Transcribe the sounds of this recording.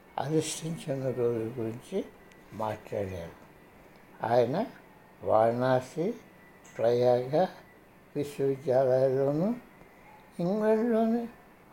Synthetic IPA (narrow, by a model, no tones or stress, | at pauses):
ɐ̰d̪iʂʈiɲt͡ʃɐnɐɾoːd͡ʒuɡuɾiɲt͡ʃi | maːʈlaːɽja̰ːɽu | a̰ːjɐnɐ | ʋaːɾnaːsi | pɾɐjaːɡa | ʋiʃɐʋid̪jaːlɐjɐlo̞ːnu | iŋɡlenlo̞ːnu